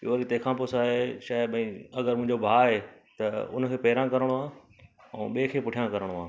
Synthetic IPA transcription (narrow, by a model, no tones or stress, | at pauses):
joːɾit̪eːkʰãːpʊsaːɦeʃaːɪbɛ̃ːɐɡəɾmʊ̃ɦɪ̃ɲd͡ʑobʱaːɦeː | t̪ɐʊ̰n̤̆kʰeːpɐɦɾãkɐɾəɽ̃ʋãː | ɛ̰̃ːɓeːkʰeːpʊʈʰijãkɐɾəɽ̃oʋã̰ː